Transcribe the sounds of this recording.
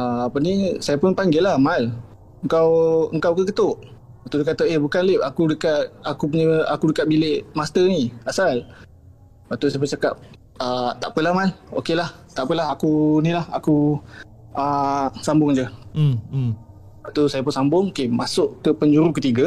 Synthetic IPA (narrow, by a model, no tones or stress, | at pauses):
əapənisajapʊnpaŋɡɪlahmal | əŋkawə̰ŋkawkəkət̪ʊʔ | at̪udəkat̪aehbukanlɪpakudəkat̪̚akup̬uɲəakudəkat̪̚bilɪʔmast̪əniasal | bat̪usajapʊt͡ʃakap̚ | ət̪aʔpəlahmano̰kelah | t̪aʔpəlaɦakunĩlaha̰ku | əsambʊŋd͡ʒə | bat̪usajapʊnsambʊŋokemasʊʔkəpəɲd͡ʒuɾukət̪iɡa